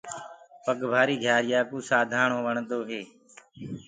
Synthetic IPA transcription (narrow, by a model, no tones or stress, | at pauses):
pəɠbʱaːɾiːɡʱjaːɾɪjaːkõːsaːd̪ʱaːɳõːʋəɳd̪oːɦeː